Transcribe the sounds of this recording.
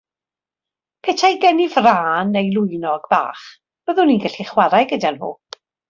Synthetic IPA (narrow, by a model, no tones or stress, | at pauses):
pʰɛtʰajɡɛnivraːnejlˠʊɨnɔɡba̰ːχ | b̥əðʊninɡɛɬiχwaɾajɡədianho̰ːpʰ